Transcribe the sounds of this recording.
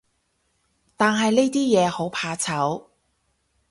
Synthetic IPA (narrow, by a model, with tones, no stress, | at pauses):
t̪aː˨nɦɐ˨jne˥t̪iː˥jɛː˨˧ho˨˥wpʰaː˧t͡sʰɐ˨˥w